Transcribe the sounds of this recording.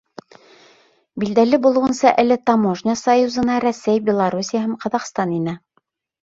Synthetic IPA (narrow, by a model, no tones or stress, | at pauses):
bild̪ælɘbulˠŭʁɤ̆nsɑʔɘlɘt̪ɑmoʐnʲɑsɑjuzɤ̆nɑɾæsæjbʲelˠaɾusʲijaɦɤmqɑðɑqst̪ɑninæ